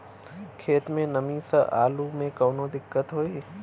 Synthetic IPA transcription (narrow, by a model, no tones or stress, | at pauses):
kʰeːt̪mẽnɐmĩsɐʔa̰ːlumẽkɐːnõd̪ɪkːət̪ɦoːiː